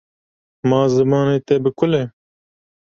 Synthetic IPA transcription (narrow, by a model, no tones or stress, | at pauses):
mɑːzɨmɑːneːt̪ɛbɨkʰʊle